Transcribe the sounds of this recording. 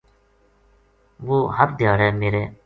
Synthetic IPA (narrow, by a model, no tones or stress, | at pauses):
ʋoːɦəpd̪jaːɾɛːmeːɾeː